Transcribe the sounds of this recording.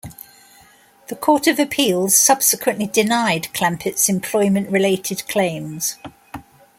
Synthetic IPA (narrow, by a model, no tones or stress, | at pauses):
ðəkʰɔˑtəvəpʰiːlˠz̥sʌb̥sɪkʰwə̃nʔlidɪnaɪdkʰl̥ãmpʰɪtsɪ̃mpʰl̥ɔɪmə̃nʔɹɪleɪtʰɪdkʰl̥ẽɪ̃mz̥